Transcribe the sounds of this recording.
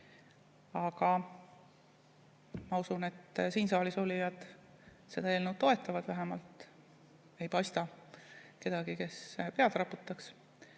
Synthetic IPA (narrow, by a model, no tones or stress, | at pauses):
ɑɡ̥ɑ | mɑusune̞t̪ːsiːnsɑːliso̞lʲijɑd̪̥ | se̞d̪̥ɑeːlnuwd̪o̞e̞t̪ːˑɑvɑd̪̥væɦemɑlt̪ˑ | e̞jpɑjst̪ɑ | ke̞d̪̥ɑɡ̥ike̞spe̞ɑd̪rɑpːˑut̪ːˑɑks